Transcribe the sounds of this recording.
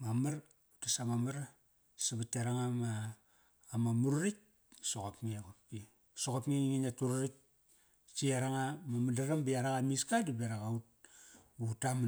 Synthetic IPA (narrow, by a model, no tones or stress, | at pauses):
mamaɾ | utasamamaɾa | saβatiaɾaŋamaː | mamuɾuɾik̚ | soɣopŋikopki | soɣopŋiŋiŋinatuɾuɾik̚ | t͡ʃiaɾaŋamamadaɾambiaɾaɣamiskadibeɾaɣaut̚ | utam